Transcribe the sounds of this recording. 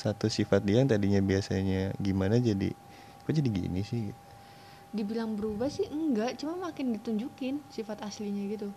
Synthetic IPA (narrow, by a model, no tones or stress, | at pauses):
sat̪usifat̪̚diaŋt̪adiɲabiasaɲaɡimanad͡ʒadḭ | kad͡ʒadiɡḭnisɪhɡit̪u̥ | dibilaŋbəɾubahsɪhəŋɡaʔt͡ʃumamakɪndit̪uɲd͡ʒukɪnsifat̪asliɲaɡit̪u